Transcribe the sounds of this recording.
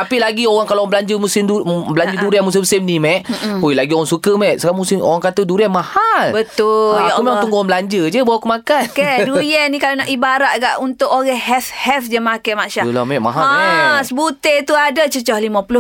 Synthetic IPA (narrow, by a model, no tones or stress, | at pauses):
t̪apilaɡioɣaŋkaloŋbəlaɲd͡ʒəmusɪmubəlaɲd͡ʒəduɾianmus̬ɪmsimnimɛʔoilaɡioɣaŋsukəmɛʔsəɡamusɪmo̰ɣaŋkat̪əduɾianmahalbət̪ʊaumɛat̪uŋɡuaŋbəlaɲd͡ʒəd͡ʒəbawakumakankɛduɾianːikalonaʔibaɾaʔɡaʔunt̪ʊʔoɣɛɦɛfhɛfd͡ʒəmakajmaʔʃala̰mɛʔma̰ɦaaɛsəbut̪et̪uadat͡ʃət͡ʃɔhlimãpulʊ